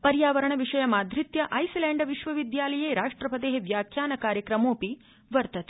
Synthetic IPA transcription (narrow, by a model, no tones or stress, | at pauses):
pɐɾjaːʋɐɾɐɳɐʋiʂɐjɐmaːd̪ʱɾit̪jɐʔɐjsileːɳɖɐʋiʃʋɐʋid̪jaːlɐjeːɾaːʂʈɾɐpɐd̪eːɦeʋjaːkʰjaːnɐkaːɾjɐkɾɐmoːpi | ʋɐɾt̪ɐt̪